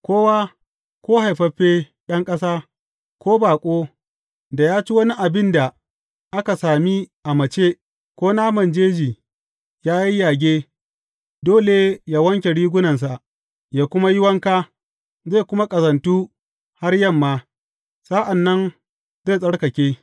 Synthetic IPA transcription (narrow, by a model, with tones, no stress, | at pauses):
kʷoː˦waː˦ | kʷoː˦ha˨jɸɐ˦ɸeː˦ | ɗɐ˦ŋkʼɐ˦saː˦ | kʷoː˦baː˨kʷʼoː˦ | da˨jaː˦t͡ʃi˦wɐ˦ni˦ʔa˨bɪ˦nda˨ | ʔa˦ka˨saː˨mi˦ʔa˨mɐ˨t͡ʃeː˦ | kʷoː˦naː˦mɐ˨nd͡ʒeː˦d͡ʒiː˨ | jaː˦ji˦jaː˨ɡʲeː˦ | doː˦le˨jaː˦wɐ˦ŋkʲe˨ɽiː˦ɡʷʊ˦nɐ˨ns̬a˨ʔ | jaː˦kʷʊ˦ma˦jɪ˦wɐ˦ŋkaː˦ | ze˦˨kʷʊ˦ma˦kʼɐ˨zɐ˨ntuː˦ | ha˦rjɐ˦˨mːaː˦ | sa˦ʔa˨nːɐ˦n | ze˦˨sʼɐ˦ɽkɐ˨kʲeː˦